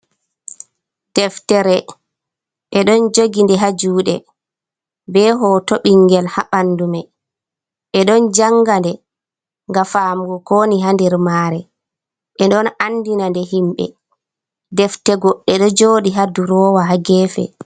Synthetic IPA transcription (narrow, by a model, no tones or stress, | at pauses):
d̥ɛftɛɾɛ | ʔɛɗɔnd͡ʒoɡindɛɦad͡ʒuːɗɛ | bɛɦɔtoɓiŋɡɛlhaɓanːdumɛ | ɓɛɗɔnd͡ʒaŋɡandɛ | ŋɡafaːmɡɔkoːniɦandɛɾmaːɾɛ | ɓɛɗɔnanːdinandɛɦimɓɛ̰ | dɛftɛɡɔɗːɛɗɔd͡ʒoːɗiɦaduɾɔːwaɦaɡɛːfɛ̰